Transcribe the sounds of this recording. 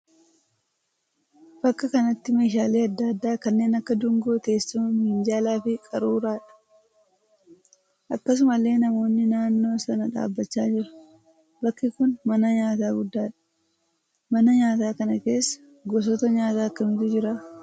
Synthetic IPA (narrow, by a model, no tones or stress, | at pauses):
b̥ɐkːɐkɐnɐt̪ːɪme̞ːʃaːleːɐd̪ːɐd̪ːaːkɐnːe̞ːnɐkːɐd̪ʊŋɡo̞ːt̪e̞ːsːʊmɐmɪnd͡ʒaːlaːfɪkʼɐɾuːɾaːᶑɐ̥ | ʔɐkːɐs̬ʊmɐlːe̞ːnɐmo̞ːnːɪnaːnːo̞ːsɐnɐᶑa̰ːbːɐt͡ʃːaːd͡ʒɪɾɐ̥ | bɐkːɪkʊnmɐnɐɲaːt̪aːɡʊd̪ːaːᶑɐ̥ | mɐnɐɲaːt̪aːkɐnɐke̞ːsːɐ̥ | ɡɔs̬ɔt̪ɐɲaːt̪aːɐkːɐmɪt̪ʊd͡ʒɪɾa